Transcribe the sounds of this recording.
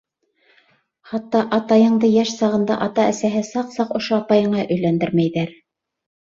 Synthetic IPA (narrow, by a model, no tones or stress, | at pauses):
χɑt̪ːɑʔɑt̪ɑjɤ̆ɴd̪ɤjæʃsɑʁɤ̆nd̪ɑ̰ʔɑt̪ɑæsæɦɘsɑqsɑqŏʃoɑpɑjɤ̆ɴɑʔɵ̆jlænd̪ɘɾmæjðæɾ